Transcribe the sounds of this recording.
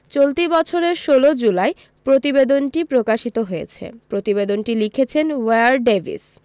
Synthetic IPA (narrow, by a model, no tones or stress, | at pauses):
t͡ɕolt̪ibɔt͡ɕʰoɾeɾʃolod͡ʑulae | pɾot̪ibed̪onʈipɾokaʃit̪oɦojet͡ɕʰḛpɾot̪ibed̪onʈilikʰet͡ɕʰenweaɾɖevʱḭs